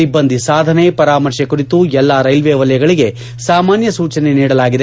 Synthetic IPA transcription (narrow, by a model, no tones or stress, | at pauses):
ibːɐnd̪ʱisaːd̪ʱɐne̞pɐɾaːmɐɾʃjɐkuɾit̪uɛlːaɾɐjlʋeːʋɐlɐjɐɡɐɭiɡe̞ | saːmaːnjɐsuːt͡ʃɐneniːɽɐlaːɡid̪e